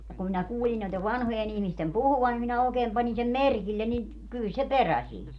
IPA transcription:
jɑ kum minæ kuːlin noiteʋ ʋɑnhojen ihmistem puhuʋɑn nim minæ oːkeːm pɑnʲi sem merkilːen ni kyl se peræ siːn

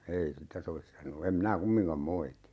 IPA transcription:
ei sitæ soʋis sɑnoː em minæ kumːiŋkɑm moiti

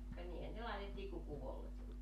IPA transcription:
kɑ niːhæn ne lɑˑetetːiː ku kuʋolːekːi

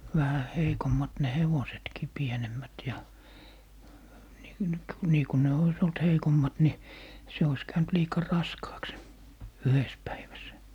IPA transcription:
ʋæhæ heikomːɑt ne heʋosetkiː pienemːæt jɑ ni nyk niː ku ne ois olt heikomːɑt ni se ois kæynt liːkɑ rɑskɑːks se yhes pæiʋæs

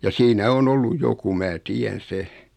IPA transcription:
jɑ siːnæ on olːuj joku mæː tiæn̞ se

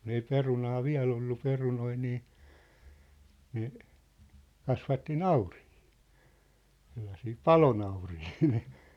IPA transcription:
kun ei perunɑː ʋiæ̝l olːu perunoi niː ne kɑsʋɑtːi nɑurihi̥ː selːɑsiː pɑlonɑurihiː

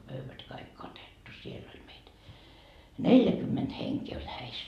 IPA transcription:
pøyʋæt kɑik kɑtetːu sielː olʲ meit neljækymːent heŋkeː olʲ hæis

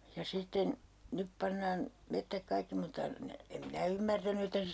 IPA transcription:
jɑ sitːen nyp pɑnːɑːn metːæk kɑikːi mutːɑ ne em minæ ymːærtæny etːæ se

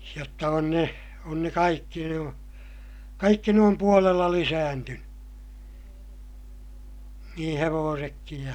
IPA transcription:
jotːɑ on ne on ne kɑikːi nuo kɑikːi ne om puolelːɑ lisæːntynẙ nĩː heʋoːsekːij

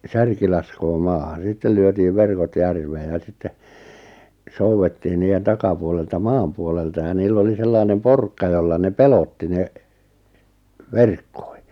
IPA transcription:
særki lɑskoː mɑːhɑn̞ sitːel lyøtiːʋ ʋerkot jærʋeːj̆ jɑ sitːe souwetːiːn niːjen tɑkɑpuoleltɑ mɑːm puoleltɑ jɑ niːlː oli selːɑinem porkːɑ jolːɑ ne pelotːi ne ʋerkːo̥i̥

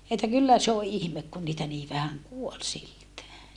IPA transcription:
etːæ kylːæ se o ʔihmek kun niːtæ niː ʋæhæŋ kuol siltæː

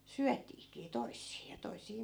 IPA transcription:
syætiːkiː toisːiː jɑ toisˑiː

